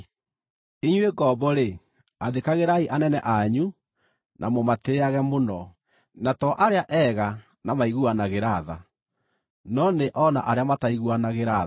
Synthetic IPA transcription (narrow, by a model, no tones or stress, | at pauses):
iɲweɡɔbɔɾe | aðekaɣeɾaiʔanɛnɛʔaɲu | nʔamomateaɣɛmonɔ | natɔʔaɾeaʔɛɣa | namaiɣuanaɣeɾaða | nɔneʔɔna̰ʔaɾeamataiɣuanaɣeɾa